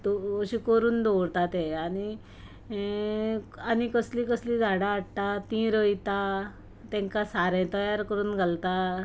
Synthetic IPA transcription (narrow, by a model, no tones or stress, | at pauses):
t̪oəɕikəɾuːnd̪owɾt̪at̪eañi | anikəsliːkəslĩd͡zʱaɽaːɽt̪at̪ĩɾəjt̪a | t̪ɛ̃ŋkasaɾɛ̃t̪əjaɾkəɾuːnɡʱalt̪a